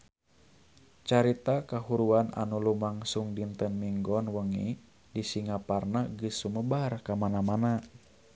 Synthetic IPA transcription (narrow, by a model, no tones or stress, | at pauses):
t͡ʃaɾit̪akaɦuɾuana̰nulumaŋsuŋdint̪ənmiŋɡɔnwəŋḭ | disiŋaparnaɡɨsːuməbarkamanamana